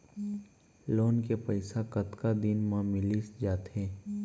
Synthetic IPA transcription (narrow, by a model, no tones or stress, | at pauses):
loːnkepəɪsakɐt̪kad̪ɪnmãmɪlisd͡ʒaːt̪ɦeː